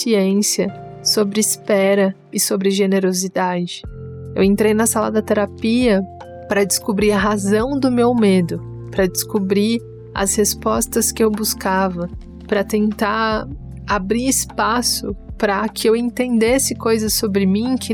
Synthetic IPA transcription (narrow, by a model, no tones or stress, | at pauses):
iẽsjɐsobɾɪːspɛɾɐ | ɪsobɾɪʒeneɾozid̪ad͡ʒɪewẽnt̪ɾejnɐsalɐ̰d̪ɐt̪eɾapiɐ | pɾɐd͡ʒɪskobɾiɐɦazɐ̃w̃d̪ʊmewmed̪ʊ | pɾɐd͡ʒɪskobɾi | ɐ̰shespɔst̪ɐskɪewbuskavɐ | pɾɐt̪ẽnt̪a | abɾiɪspasʊ̰pɾɐkʰɪewẽnt̪ẽnd̪esɪkojzɐsobɾɪmĩkʰɪ